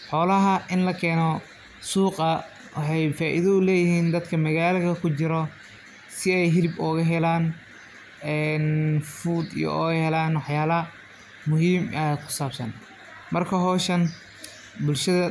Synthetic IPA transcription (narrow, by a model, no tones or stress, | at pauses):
ħɔːlɐɦɐʔɪnlɐkʰɛːnɔ | suːqʼɐ | wɑħɑjfaːʔḭðɐʊlɛːjɪhiːnd̪ɐd̪kʰɐmɐɣaːlɐɣɐkʰʊt͡ʃɪɾɔ | sɪɛjɦɪlɪbɔːɣɐɦɛlaːn | ɛːnfuːd̪ḭjɔ̰ɔːɣhɛlaːnwɑħjaːlɐ | mʊɦiːmaːd̪kʰʊ̥saːbsɐ̰n | mɐrkʰɐɦɔːʃɐn | bʊlʃɐðɐ